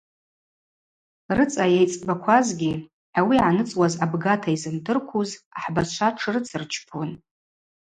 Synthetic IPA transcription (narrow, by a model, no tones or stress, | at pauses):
rɨt͡sʼajejt͡sʼbakʷʰazɡʲi | ʕawiʕanɨt͡sʼwazabɡatʰaizɨmdɨrkʷʰuzaħbat͡ʃʷʰaʈ͡ʂʰɨrɨt͡sʰɨrt͡ʃʰpʰun